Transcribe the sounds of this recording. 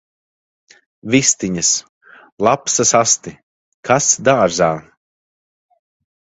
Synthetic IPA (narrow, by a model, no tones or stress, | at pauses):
vist̪iɲas | lˠapsɐsast̪i | kʰasd̪aːɾzaː